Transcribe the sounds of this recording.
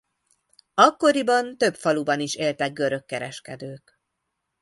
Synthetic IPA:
ɒkːo̞ɾibɒnt̪ø̞pfɒlubɒniʃeːlt̪ɛɡ̚ɡøɾø̞kːɛɾɛʃkɛd̪øːk

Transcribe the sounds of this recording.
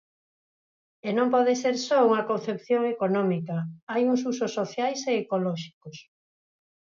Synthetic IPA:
enõmpɔðeseɾsɔuŋɐkõnθepθjoŋekonɔ̃mikɐajuŋsusʊsːoθjajseːkolɔʃi̥kos

